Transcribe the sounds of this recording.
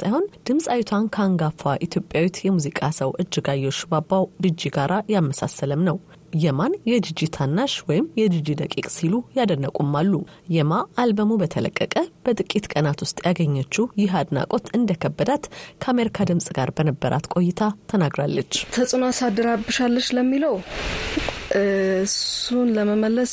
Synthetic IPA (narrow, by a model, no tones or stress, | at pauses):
sajho̞nd̪̥ɨmsʼawit̪ʰankʰaŋɡafaʔit̪ʰjo̞pʼjawit̪jɛmuzikʼasəwʔɨd͡ʒːɪɡajːo̞t͡ʃːbabːawd̪ɨd͡ʒːiɡaɾʔajalməsa̰sːələmnəw | jɛmanjɛd͡ʒ̪ɨd͡ʒit̪ʰanːaʃwɔjɪmjɛd̪ɨd͡ʒid̪əkʼikʼsilujad̪ənːəkʼumːalːu | jɛmaːlbəmubət̪ʰələ̰kʼːəkʼəb̥ət̪ʼɨkʼːit̪kʼənat̪wʊst̪ʼjaɡəɲːat͡ʃːujɪɦad̪na̰kʼo̞t̪ɨnd̪əkʰəbːəd̪at̪kʰəame̞ɾikʰad̪ɨmsʼɡaɾbənəbːəɾʔa̰t̪kʼo̞jːɪt̪ʰat̪ʰənaɡɾalːət͡ʃːt̪ʰəsʼunasad̪əɾabɨʃalːəʃləmːiləw | ʔɨsunləməməlːəs